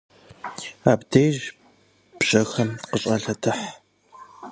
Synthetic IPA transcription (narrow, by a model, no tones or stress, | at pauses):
aːbdejʒ | b̥ɕʼɐxɐmqəɕʼɐɬɐtʰɨħ